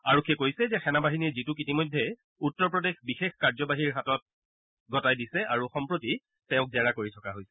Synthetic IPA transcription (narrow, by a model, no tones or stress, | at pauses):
aɹɔkʰːekojsɛzɛxɛnabaɦiniɹzitukitimɔjdʱːɛ | utːɔɹpɹɔdexbixexkaɹzɔbaɦiɹɦatɔt̚ | ɡʱɔtajdisɛʔaɹuxɔmpɹoti | tɛ̃ʊ̃k̚zɛɹakoɹitʰɔkaɦojsɛ̥